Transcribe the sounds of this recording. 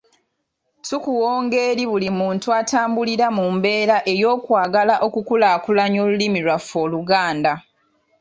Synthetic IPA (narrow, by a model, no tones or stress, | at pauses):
tukuwo̞ːŋɡe̞ːɾiβulimuːntuatʰaːmbuliɾamumbe̞ːɾaʔe̞jo̞ːkwaːɡalaʔo̞kukulaːkulaɲo̞ːlulimiɾwafːo̞ːluɡaːnda